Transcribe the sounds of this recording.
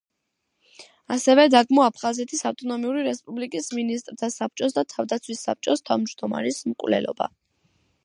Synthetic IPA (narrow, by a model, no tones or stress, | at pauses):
asɛvɛd̪aɡmɔapʰχazɛt̪ʰisaft̪ʼɔnɔmiuɾiɾɛspʼublikʼisminist̪ʼɾt̪ʰasap̚ʰt͡ʃʼɔs̬d̪at̪ʰavd̪at̪sʰwisːa̰p̚t͡ʃʼɔst̪ʰa̰vmd͡ʒd̪ɔma̰ɾismkʼwvlɛ̰lɔ̰ba̰